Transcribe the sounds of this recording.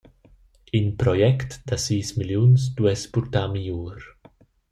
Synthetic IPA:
inpɾɔjɛkt̪d̪asiːsmiljunsd̪wɛspuɾt̪amijuːɾ

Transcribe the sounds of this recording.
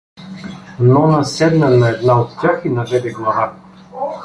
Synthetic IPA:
nɔnɐsɛd̪nənɐɛd̪naot̪tʲaxinɐvɛd̪ɛɡlˠɐva

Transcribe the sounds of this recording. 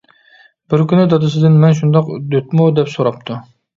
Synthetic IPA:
b̥ɪɾkʲynɪd̪ɑd̪ɨsɪd̪ɪnmɛnʃ̬und̪ɑqd̪øt̪mud̪ɛpsoɾɑp̚t̪ʰu

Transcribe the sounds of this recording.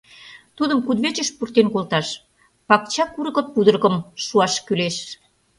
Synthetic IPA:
t̪ud̪əmkud̪βet͡ɕəʃpurt̪enkolt̪ɑʃ | pɑk̚t͡ɕɑkuɾə̆ɣə̆pud̪ərɣə̆mʃuɑʃkyleʃ

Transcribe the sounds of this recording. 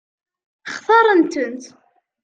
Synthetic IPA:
χθɑɾˤənt̪ənt̪

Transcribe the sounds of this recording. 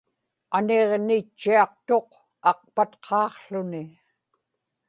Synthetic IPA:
ane̞ʁnɪt͡ʃːiɑq̚t̪o̞q | ɑq̚pat̪qʰɑːqɬʊnɪ

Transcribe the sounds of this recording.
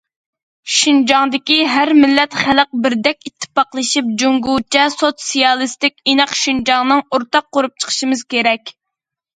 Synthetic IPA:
ʃynd͡ʒɑŋd̪ɪkʲiɦæɾmɪlːɛt̪χæləq̚bɪɾd̪ɛkʲit̪ʰːɪ̥pɑqlˠɨʃip̚d͡ʒuŋɡut͡ʃʰɛsot̪sijɑlˠɨst̪ɪkʲenɨqʃynd͡ʒɑŋnɨŋoɾt̪ɑqːoɾup̚t͡ʃʰə̥qʰə̥ʃimɨzkʲeɾɛkʲ

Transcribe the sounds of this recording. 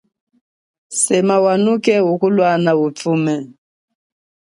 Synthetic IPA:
sɛmawanukɛukulwanautumɛ

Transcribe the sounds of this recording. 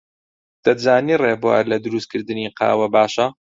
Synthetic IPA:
t̪ɐzaːniːreːbuwa̰ːɾlɐd̪ɨɾust̪kʰɨɾd̪ɨniːqʰɑ̰ːwɐbaːʃɐ

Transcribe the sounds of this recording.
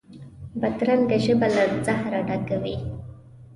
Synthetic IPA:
bad̪ɾand̪əʒəbalaɾzahɾaɖaɡawi

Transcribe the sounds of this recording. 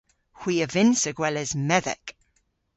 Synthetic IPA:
hw̥iːəvɪnsəɡwɛləzmɛðɛ̰k

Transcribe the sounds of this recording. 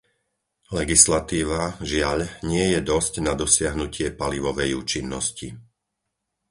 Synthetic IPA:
lɛɡislat̪iːʋaʒɪaʎɲɪɛjɛd̪ɔscnad̪ɔsɪaɦnucɪɛpaliʋɔʋɛjuːt͡ʃinːɔsci

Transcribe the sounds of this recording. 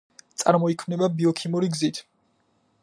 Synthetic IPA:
t̪sʼa̰ɾmɔikʰmnɛbabiɔkʰimuɾiɡzit̪ʰ

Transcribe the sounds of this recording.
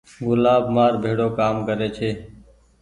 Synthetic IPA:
ɡʊlaːbmaːɾbʱeːɽoːkaːmkəɾeːt͡ʃʰeː

